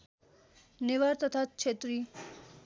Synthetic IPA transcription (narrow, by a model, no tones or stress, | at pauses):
niʋaɾt̪ət̪ʰatt͡ʃʰet̪ɾi